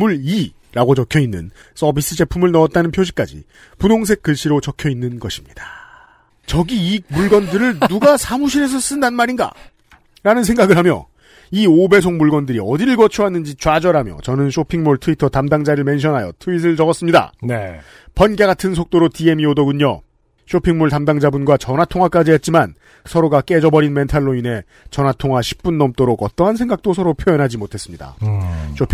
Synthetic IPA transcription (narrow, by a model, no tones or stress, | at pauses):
muɭi | ɾaɡot͡ɕʌkʰjʌinːɯ̰n | s͈ʌbis͈ɯd͡ʑe̞pʰumɯɭnʌʌt̚t͈anɯnpʰjoɕ̬ʰi̥k͈a̰d͡ʑḭ | punoŋs̬ʰe̞k͈ːɯɭɕ͈iɾot͡ɕʌkʰjʌinːɯnɡʌɕʰi̥mɲid̥ḁ | t͡ɕʌɡiimuɭɡʌndɯɾɯɭnuɡasʰamuɕʰiɾe̞s̬ʰʌs͈ɯndannmaɾinɡa̰ | ɾanɯnsʰe̞ŋɡaɡɯɭɦamjʌ̰ | iobesʰoŋmuɭɡwʌndɯɾiʌdiɭɡʌt͡ɕʰuɦanːɯnd͡ʑit͡ɕwad͡ʑʌɾɦamjʌ̰t͡ɕʌnɯnɕʰopʰiŋmoɭtʰɯitʰʌtamdaŋd͡ʑaɾɯɭme̞nɕ̬ʰʌnɦajʌ̰tʰuis̬ʰɯɭt͡ɕʌɡʌs͈ɯmɲida̰ne | pʌnɡeɡatʰɯns̬ʰok̚t͈oɾotie̞miodʌɡuɲʌ̰ | ɕʰopʰiŋmoɭtamdaŋd͡ʑabunɡwat͡ɕʌnɦatʰoŋwak͈ad͡ʑiɦet̚t͡ɕ͈iman | sʰʌɾoɡak͈e̞d͡ʑʌbʌɾinme̞ntʰaɭːoine̞ | t͡ɕʌnɦatʰoŋɦaɕʰi̥p̚p͈unːʌmt͈oɾoɡʌt͈ʌɦans̬ʰe̞ŋɡak̚t͈osʰʌɾopʰjojʌnɦad͡ʑimotʰe̞s͈ɯmɲida̰ɕʰopʰ